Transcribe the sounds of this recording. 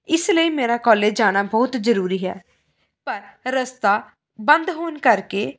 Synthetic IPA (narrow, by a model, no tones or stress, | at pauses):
ɪsləiːmeːɾaːkɔːleːd͡ʒaːɽ̃aːbɔːt̪zəɾuːɾiːɦɛ̰ː | pəɾɾəst̪aː | bənd̪ɦoːnkəɾkeː